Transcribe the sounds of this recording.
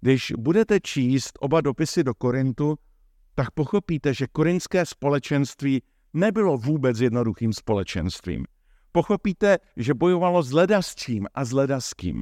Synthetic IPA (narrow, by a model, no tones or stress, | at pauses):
ɡdɪʃbudɛt̪ɛt͡ʃiːst̪ʔo̞bado̞pɪsɪdo̞ko̞ɾɪnt̪u | t̪ak̚po̞xo̞piːt̪ɛʒɛko̞ɾɪnt͡skɛːspo̞lɛt͡ʃɛnst̪viː | nɛbɪlo̞vuːbɛt͡sjɛdno̞duxiːmspo̞lɛt͡ʃɛ̰nst̪vḭːm | po̞xo̞piːt̪ɛʒɛbo̞jovalo̞zlɛdast͡ʃiːmʔazlɛdaskḭːm